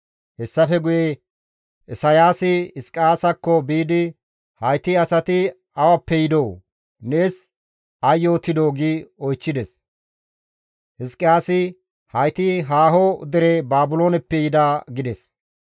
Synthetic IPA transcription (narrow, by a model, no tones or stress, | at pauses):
hɛsːɐfɛɡʊje | ɪsɐjaːsɪɪskʼːɪjaːsɐkːɔbiːd̪ɪ | hɐjt̪ɪɐsɐt̪ɪ | ɐwɐpːɛjɪd̪ow | ne̞ːs | ɐjːoːt̪ːɪd̪o̞ːɡiɔjt͡ʃːɪd̪ɛs | hɪskʼːɪjaːsɪ | hɐjt̪ɪɦaːɦɔd̪ɛɾebaːbʊlo̞ːnɛpːɛjɪd̪aːɡɪd̪ɛs